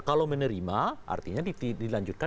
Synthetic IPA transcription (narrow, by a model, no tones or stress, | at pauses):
kalawmənəɾimaʔa̰rt̪iɲaidilaɲd͡ʒʊt̪̚ka